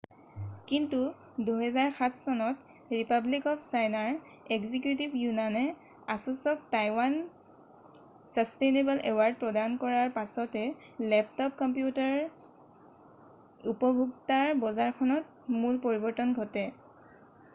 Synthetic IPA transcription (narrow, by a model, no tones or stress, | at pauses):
kintu | duɦɛzaɹxatʰsɔnɔt | ɹipablikɔpʰsajnaɹ | eɡzikjutibjunanɛ | asusɔk̚tajwan | sastejnebɛlɛwaɹd̚pɹɔdankɔɹaɹpasɔtɛ | lɛp̚tɔp̚kɔmpjutaɹ | upɔbʱuɡtaɹbɔzaɹkʰɔnɔt̚ | mulpɔɹibɔɹtɔnɡʱɔtɛ